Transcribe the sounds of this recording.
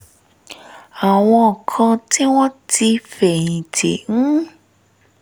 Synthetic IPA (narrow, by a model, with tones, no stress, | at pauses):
a˨w̃ɔ̃˧ɔ˨kʰɔ̃˧ti˦w̃ɔ̃˦ti˧fɛ˨ĩ˨tḛ˨ŋ̩̃˦